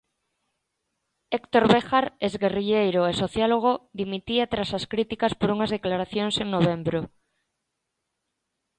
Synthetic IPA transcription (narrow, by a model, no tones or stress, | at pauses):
ekt̪oɾβexaɾezɣeriʎejɾoesoθjaloɣ̞oðimit̪iat̪ɾasaskɾit̪ikaspoɾuŋazðeklaɾaθjoŋseŋnoβ̞embɾo